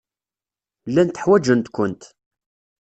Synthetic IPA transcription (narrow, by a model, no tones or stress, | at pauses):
lːænt̪əħwæd͡ʒənt̪kʷʊnt̪